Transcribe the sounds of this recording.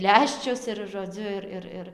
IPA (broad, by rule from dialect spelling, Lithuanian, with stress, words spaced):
ˈlʲæːʃʲt͡ʃʲʊs ɪr ʒoːˈd͡zʲʊ ɪr ˈɪr ˈɪr